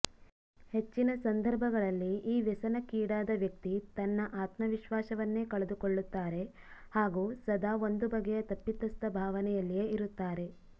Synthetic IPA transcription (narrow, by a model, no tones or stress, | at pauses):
he̞t͡ʃːinɐsɐnd̪ʱɐɾbʱɐɡɐɭɐlːiʔiːʋɛsɐnɐkiːɽaːd̪ɐʋjɐkt̪it̪ɐnːɐʔaːt̪mɐʋiʃʋaːʃɐʋɐnːe̞ːkɐɭed̪ukoɭːut̪ːaːɾe̞ | haːɡuːsɐd̪aːo̞nd̪ubɐɡɛjɐt̪ɐpːit̪ːɐst̪ɐbʱaːʋɐnɛjɐlːije̞ːiɾut̪ːaːɾe̞